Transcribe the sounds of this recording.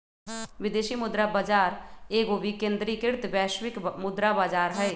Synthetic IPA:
ʋɪd̪eːʃimʊd̪ɾabaːd͡ʒaːɾeːɡobʱikẽːnd̪ɾikɪɾt̪bɛːʃwɪkmʊd̪ɾabaːd͡ʒaːɾɦɛe

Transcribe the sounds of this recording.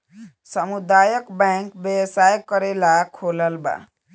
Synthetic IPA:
sʌmud̪ajʌkbaŋkbjʌwsajkːʌɾelakʰolʌlba̰

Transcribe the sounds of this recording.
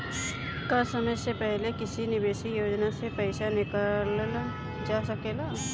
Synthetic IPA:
kɐsɐməjsepɛɦlekɪsinɪbeːʃijoːd͡ʒnasepɛɪsanɪkəl | d͡ʒaːsɐkeːlaː

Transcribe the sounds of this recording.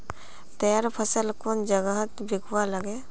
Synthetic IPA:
t̪əjaːɾpʰəsəlkoːnd͡ʒəɡəɦət̪bɪkʰwaləɡe

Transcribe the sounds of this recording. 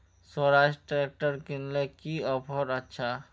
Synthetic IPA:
soɾad͡ʑʈɾeek̚ʈaɾkinlekiɔpʰoɾatːɕʰa

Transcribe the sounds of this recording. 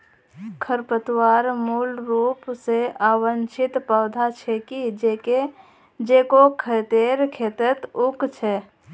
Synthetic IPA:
kʰəɾpət̪waːɾmuːlɾuːpseaːwənt͡ʃʰɪt̪pəʊd̪ʱat͡ʃʰɛkid͡ʒeke | d͡ʒeːkokʰət̪eɾkʰeːt̪ət̪ʊkt͡ʃʰɛ

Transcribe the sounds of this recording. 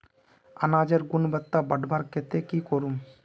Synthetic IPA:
ɐ̰naːd͡ʒɐɾɡʊnbɐt̪ːabɐɖbaɾket̪ekikoɾum

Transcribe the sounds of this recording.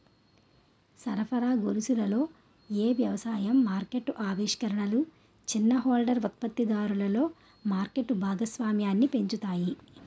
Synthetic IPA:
sɐɾɐpʰɐɾaːɡoɾusulɐlo̞ː | eːʋjɐʋɐsaːjɐmːaːɾke̞ʈːʔaːʋiːʂkɐɾɐɳɐlu | t͡ʃinːɐɦoːlɖɐɾut̪̚pɐt̪ːid̪aːɾulɐlo̞ː | maːɾke̞ʈːbʱaːɡɐsʋaːmjaːnːipe̞ɲt͡ʃut̪aːji

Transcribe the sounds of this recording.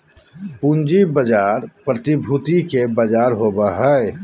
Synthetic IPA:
pũnd͡ʒibəd͡ʒaːɾpɾət̪ibʱut̪ikebəd͡ʒaːɾɦoːbaɦɛ

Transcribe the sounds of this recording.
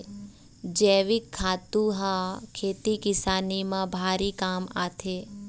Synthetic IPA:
d͡ʒɛːʋɪkʰːaːt̪ũɦãkʰeːt̪ikɪsaːnimãbʱaːɾikaːma̰ːt̪ʰeː

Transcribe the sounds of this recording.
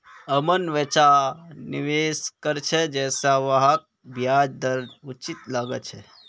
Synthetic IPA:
əmənʋɛt͡ʃaniʋeːskəɾt͡ʃʰɛd͡ʒɛːsaʋaɦak̚bʱjaːd͡ʒd̪əɾnut͡ʃit̪laːɡət͡ʃʰɛ

